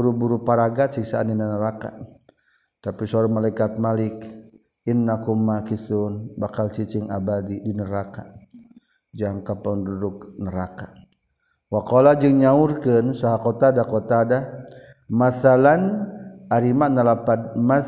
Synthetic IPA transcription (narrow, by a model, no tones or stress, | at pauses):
uɾubuɾupaɾaɡasiksaːninanəɾaka̰ | t̪apisɔɾamalaikat̪̚malik | inːakumakisunbakalt͡ʃit͡ʃiŋa̰badidinəɾaka | d͡ʒaŋkapanduduk̚nəɾaka | wakɔlad͡ʒɨŋɲaurkənsaɦakɔt̪adakɔt̪ada | masalanaɾimaʔnalapadma